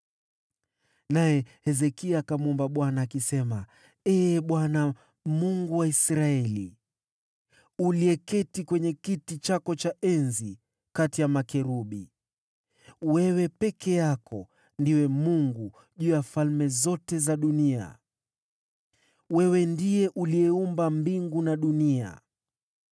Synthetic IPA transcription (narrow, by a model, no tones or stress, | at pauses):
najɛhɛzɛkiakamuɔmbaɓwanaːkisɛma | ɛɓwana | muŋɡuwaisɾaɛli | uliɛkɛtikwɛɲɛkitit͡ʃakɔt͡ʃaʔɛnzi | katijamakɛɾuɓi | wɛwɛpɛkʰɛjakɔ | ndiwɛmuŋɡu | ʄuːjafalmɛzɔtɛzaɗunia̰ | wɛwɛndijɛʔuliɛumbambiŋɡunaɗunia̰